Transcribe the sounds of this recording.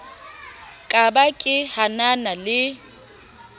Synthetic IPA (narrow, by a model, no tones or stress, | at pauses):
kʼabakʼɪhananalɪ